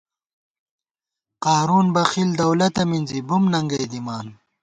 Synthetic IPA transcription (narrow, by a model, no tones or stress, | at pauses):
qaːɾuːnbɐxild̪ɐwlɐt̪ɐminzibumnɐŋɡɐjd̪imaːn